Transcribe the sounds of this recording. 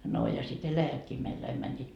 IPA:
no jɑ sit elæjætkiː meild̥ ɑim mænʲːiːt

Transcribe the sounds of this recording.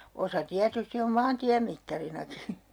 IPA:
osɑ tiætysti om mɑːntiæmitːɑrinɑki

